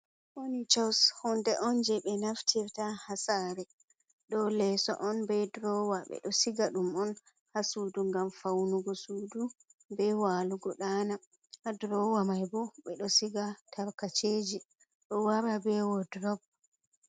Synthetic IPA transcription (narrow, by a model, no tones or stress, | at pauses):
ʔonit͡ʃawshɔndɛʔɔnd͡ʒɛɓɛnaftʰiɾtahasaɾɛ | ɗɔlɛsɔ̰ʔɔnbɛdɾɔwaɓɛ̰ɗɔsiɡaɗumɔn | hasuduŋɡamfawnuɡɔsuːdubɛwaluɡɔɗaːna | hadɾɔwamajbɔɓɛɗɔsiɡatʰaɾkat͡ʃeːd͡ʒi | ɗɔwaɾabɛwɔdɾɔb̚